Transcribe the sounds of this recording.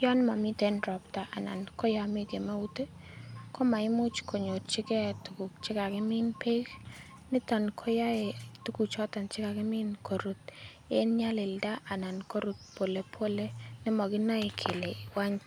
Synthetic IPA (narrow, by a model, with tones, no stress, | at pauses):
jɔ˦nma˨mi˦te˦nɾɔ˨pta˨ʔa˨na̰˨nkɔ˦ja˦mɪ˦ɡe˨ma˦u˦te˦ | kɔ˦ma˨ɪ˦mʊ˦t͡ʃko˨ɲo˨tt͡ʃɪ˦kɛ˦˨tu˨ku˨kt͡ʃɪ˦ka˨kɪ˦mɪ˦npe˦k | nɪ˦tɔ˨nkʰɔ˦ja˦e˨tu˦ku˨t͡ʃɔ˦ta˨nt͡ʃɪ˦ka˨kɪ˦mɪ˦nkʰo˨ɾu˨t | e˦nɲa˦lɪ˨lda˦ʔa˨na˨nko˦ɾu˨t̚po˨le˨pʰo˦le˦nɪ˦mɔ˨ɡɪ˦na˦e˨kʰe˨le˨wa˦ɲ